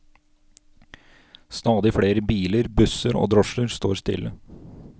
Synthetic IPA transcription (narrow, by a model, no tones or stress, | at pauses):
st̪ɑːd̪ɪfɽeːɾəbiːləɾbʉsəɾo̰ːd̪ɾɔʃəɾst̪o̰ːɾst̪ɪ̰lːə